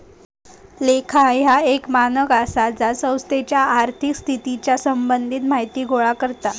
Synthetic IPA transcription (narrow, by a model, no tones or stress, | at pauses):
lekʰajɦaekmanəkasad͡zasə̃w̃st̪et͡ɕjaːɾt̪ʰikst̪ʰit̪it͡ɕjasəmbənd̪ʱiːt̪maɦjt̪iːɡoɭakəɾt̪a